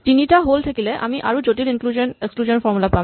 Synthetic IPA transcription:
tinitaɦoltʰakilɛʔa̰miʔa̰ɹuzotilinkluzɔnekskluzɔnfɔɹmulapam

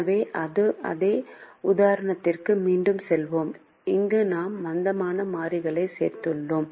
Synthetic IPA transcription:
ʋeːʔɐðɯʔɐ̰ðeːʊðaːɾɐɳɐt̪ːɪrkɯmiːɳɖɯmsɛlʋoːm | ɪŋɡɯnaːmʋɐnd̪ɐmaːnɐmaːɾɪɣɐɭɐɪsḛːɾt̪ɯɭːoːm

